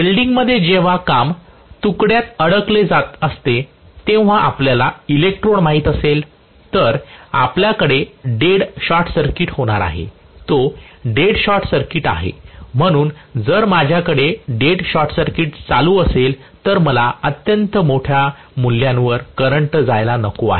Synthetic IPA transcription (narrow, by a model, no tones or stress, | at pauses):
bilɖiŋɡməd̪ʱːjed͡ʑeʋ̤akam | t̪ukɽjat̪əɽəkled͡zat̪əst̪e | t̪ẽʋ̤aʔapljalailek̚ʈɾoɳmaɦiːt̪əsel | t̪əɾa̰pljakəɽeɖeɽɕɔʈsəɾkiʈhoɽ̃aɾa̰ɦḛ | t̪oɖeɽɕɔʈsəɾkiʈa̰ɦḛm̤əɽ̃uːnd͡zəɾmad͡ʑʱjakəɽeɖeɽɕɔʈsəɾkiʈt͡saluəsel | t̪əɾməlaət̪jənt̪əmoʈʰja | mulːjãnʋəɾkəɾəɳʈd͡zajlanəkoa̰ɦe